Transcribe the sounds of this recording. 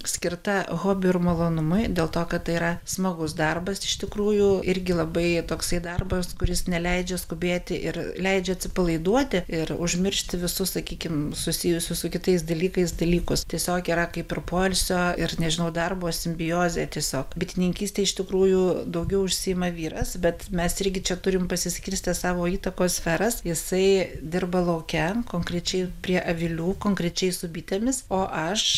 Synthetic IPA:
sʲkʲɪrt̪ɐɣoːbʲɪɪrmɐlˠoːnʊmʊɪd̪ʲeːlˠt̪oːkɐt̪t̪ɐɪiɾɐsmɐɡʊs̬d̪ɐrbɐsɪʃt̪ʲɪkɾuːjuɪɾʲɡʲɪlˠɐbɐɪt̪oːksɐɪd̪ɐrbɐskʊɾʲɪsnʲɛlʲɛɪd͡ʒʲɛskʊbʲeːt̪ʲɪʔɪ̰ɾlʲɛɪd͡ʒʲɛɐtʲsʲɪpɐlˠɐɪd̪uɔt̪ʲɪɪrʊʒʲmʲɪrʲʃʲt̪ʲɪʋʲɪsʊssɐkʲiːkʲɪmsʊsʲɪjʊsʲʊsʊkʲɪt̪ɐɪsd̪ɐlʲiːkɐɪsd̪ɐlʲiːkʊst̪ʲiɛsʲoːkiːɾɐkɐɪpɪrpoːlʲsʲoːɪrnʲɛʒʲɪnɐʊd̪ɐrboːsʲɪmʲbʲɪjoːzʲeːt̪ʲiɛsʲoːkbʲɪt̪ʲɪnʲɪŋʲkʲiːsʲt̪ʲeːɪʃt̪ʲɪkɾuːjud̪ɐʊɡʲɛʊʊʃʲsʲɪjɪmɐʋʲiːɾɐsbʲɛt̪mʲɛsɪɾʲɡʲɪt͡ʃʲɛt̪ʊɾʲɪmpɐsʲɪsʲkʲɪɾʲsʲt̪ʲɪsɑːʋoːiːt̪ɐkoːsfʲɛɾɐsjɪsɐɪd̪ʲɪrbɐlˠɐʊkʲɛkoːŋkɾʲɛt͡ʃʲɛɪpʲɾʲiɛʔɐʋʲɪlʲuːkoːŋkɾʲɛt͡ʃʲɛɪsʊbʲiːt̪ʲeːmʲɪsoːʔɐʃ

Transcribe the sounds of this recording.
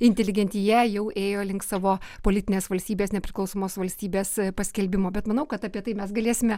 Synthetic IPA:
ɪnʲt̪ʲɛlʲɪɡʲɛnʲt̪ʲɪjɛjɛʊʔeːjoːlʲɪŋkt̪sɑːʋoːpoːlʲɪt̪ʲɪnʲeːsʋɐlʲsʲt̪ʲiːbʲeːsnʲɛpʲɾʲɪklˠɐʊsoːmoːsʋɐlʲsʲt̪ʲiːbʲeːspɐsʲkʲɛlʲbʲɪmoːbʲɛt̪mɐnɐʊkɐt̪ɑpʲiɛt̪ɐɪmʲɛsɡɐlʲeːsʲɪmʲɛ

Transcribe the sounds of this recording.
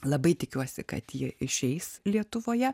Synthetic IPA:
lˠɐbɐɪt̪ʲɪkʲuɔsʲɪkɐ̰t̪jiɛɪʃʲɛɪslʲiɛt̪ʊʋoːjɛ

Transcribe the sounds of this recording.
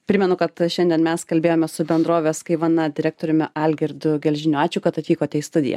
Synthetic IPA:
pʲɾʲɪmʲɛnʊkɐt̪ʃʲɛnd̪ʲiɛnmʲɛskɐlʲbʲeːjoːmʲɛsʊbʲɛnd̪ɾoːʋʲeːskɐɪʋɐnɐd̪ʲɪɾʲæːk̚t̪oːɾʲʊmʲɪʔɑlʲɡʲɪɾʲd̪ʊɡʲɛlʲʒʲɪnʲʊɑːt͡ʃʲʊːkɐt̪ɐt̪ʲʋʲiːkoːt̪ʲɛɪst̪ʊd̪ʲɪ̰jɛ̰

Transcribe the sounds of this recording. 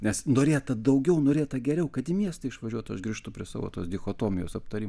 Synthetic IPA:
nʲɛsnoːɾʲeːt̪ɐd̪ɐʊɡʲɛʊnoːɾʲeːt̪ɐɡʲɛɾʲɛʊkɐt̪ɪmʲiɛst̪ɐɪɪʃʋɐʒʲuɔt̪ɐʃɡɾʲiːʃt̪ʊpʲɾʲiɛsɑ̰ːʋo̰ːt̪oːsd̪ʲɪxoːt̪oːmʲɪjoːsɐp̚t̪ɐɾʲiːm

